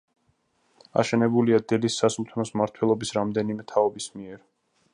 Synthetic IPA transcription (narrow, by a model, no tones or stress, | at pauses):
a̰ʃɛnɛbuliad̪ɛlisːasumt̪ʰnɔsmaɾt̪ʰwɛlˠɔbisɾamd̪ɛnimɛt̪ʰaɔbismiɛɾ